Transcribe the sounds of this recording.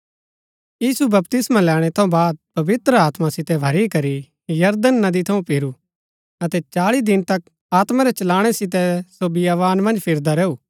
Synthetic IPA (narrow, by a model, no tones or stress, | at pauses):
jiːsubɐpt̪ɪsmãlɛːɽ̃ɛt̪ʰɐ̃ũbaːd̪̚pɐʋɪt̪ɾəaːt̪masɪt̪ɛbʱɐɾikɐɾi | jɐɾd̪ənːɐd̪it̪ʰɐũpɪɾu | ɐt̪ɛt͡ʃaːɭid̪ɪnt̪ɐk̚ | aːt̪maɾɛt͡ʃɐlaːɽ̃ɛsɪt̪̬ɛsobɪjaːʋaːnmɐ̃nd͡ʒpʰɪɾd̪aɾɛːuː